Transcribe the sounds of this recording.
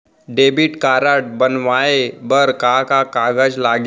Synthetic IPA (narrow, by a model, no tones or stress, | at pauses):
ɖebiʈkaɾaʈ̚bənʋaebəɾkakakaɡəd͡ʒlaɡ